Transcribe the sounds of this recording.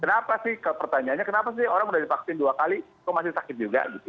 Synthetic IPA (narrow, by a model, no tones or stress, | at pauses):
kənapasɪhkəpərt̪aɲaːnɲakənapas̬ɪhoɾaŋudadifaksinduakalikawmasɪsakɪt̪̚d͡ʒuɡa̰ɡit̪u